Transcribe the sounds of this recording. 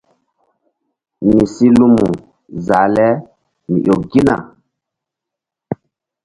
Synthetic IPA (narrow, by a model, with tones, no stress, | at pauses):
ni˨si˦lu˦mu˨ | za˨lɛ˦ | nḭ˨ʔo˨ɡi˦na̰˨